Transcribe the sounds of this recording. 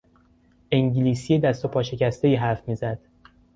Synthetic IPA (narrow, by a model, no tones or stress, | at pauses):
ʔeŋɟiliːsijed̪æst̪o̞pʰɒːʃe̞cæst̪e̞iːɦæɾfmiːzæd̪̥